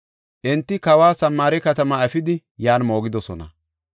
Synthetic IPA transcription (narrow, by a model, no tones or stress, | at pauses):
ʔɛnt̪ːɪkɐwaːsɐmːaːɾɛkɐt̪ɐmɐɐfɪd̪ɪ | jaːnmo̞ːɡɪd̪ɔsɔnɐ̰